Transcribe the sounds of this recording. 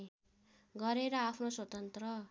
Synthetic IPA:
ɡʌɾeɾʌapʰnoswʌt̪ʌnt̪rʌ

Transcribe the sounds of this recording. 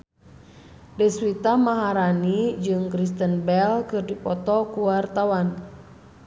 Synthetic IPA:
dɛswit̪amaɦaɾanid͡ʒɨŋkɾist̪ənbɛlkɨrdipɔt̪ɔkuwart̪awan

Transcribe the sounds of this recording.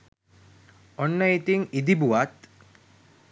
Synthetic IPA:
onːəit̪iŋid̪ibuʋat̪

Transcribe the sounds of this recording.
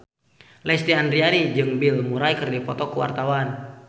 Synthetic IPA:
lɛst̪iandɾianid͡ʒɨŋbilmuɾajkɨrdipɔt̪ɔkuwa̰rt̪awan

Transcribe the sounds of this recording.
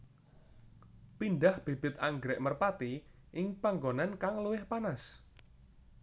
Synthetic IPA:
pinɖahb̥e̤b̥ɪt̪̚aŋɡɾɛʔmərpat̪i | ʔɪŋpaŋɡonankaŋluwɪhpanas

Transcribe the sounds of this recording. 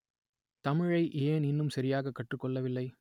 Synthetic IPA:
t̪ɐmɪɻɐɪʔeːnɪnːɯmsɐɾɪjaːɣɐkːɐʈrɯkːɔɭːɐʋɪlːɐɪ

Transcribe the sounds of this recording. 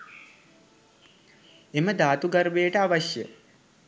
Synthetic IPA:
eməd̪aːt̪uɡaɾʋejəʈəaʋaɕjə

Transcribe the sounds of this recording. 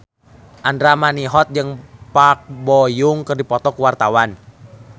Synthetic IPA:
ʔandɾamaniɦɔt̪̚d͡ʒɨŋpak̚bɔjʊŋkɨrdipɔt̪ɔkuwart̪awan

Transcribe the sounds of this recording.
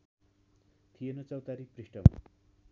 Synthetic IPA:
t̪ʰijenʌt͡sʌwt̪aɾiprisʈʌma̰

